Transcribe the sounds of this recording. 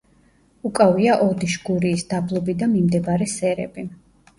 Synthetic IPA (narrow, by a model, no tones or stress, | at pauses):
ukʼaviaʔɔd̪iʃɡuɾiːsd̪ablˠɔbid̪amimd̪ɛbaɾɛsɛɾɛ̰bi